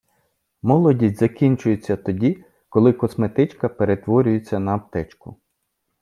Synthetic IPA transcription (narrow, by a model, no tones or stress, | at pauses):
mɔlˠɔdʲijʲzɐkʲinʲt͡ʃʊjet͡sʲːɐt̪ɔdʲi | kɔlˠɪkɔsmet̪ɪt͡ʃkɐpeɾet̪ʋɔɾʲʊjet͡sʲːɐnɐːp̚t̪ɛt͡ʃkʊ